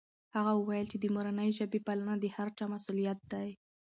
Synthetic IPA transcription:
haɣawəwajəlt͡ʃed̪əmoɾanəjʒabepalanad̪əhaɾt͡ʃɑmasulijat̪̚d̪aj

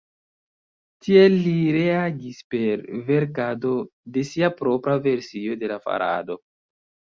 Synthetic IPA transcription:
tieiɾe̞aɡispe̞ɾve̞ɾkado̞de̞siapɾo̞pɾave̞ɾsio̞de̞lafa̰ɾa̰do̞

